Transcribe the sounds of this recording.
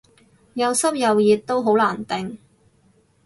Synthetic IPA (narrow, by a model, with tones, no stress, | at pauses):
jɐ˨˧wsɐ˥p̚jɐ˨wjiː˨t̚t̪ːo˥wɦo˨˥wlaː˨˩nt̪ɪ˨ŋ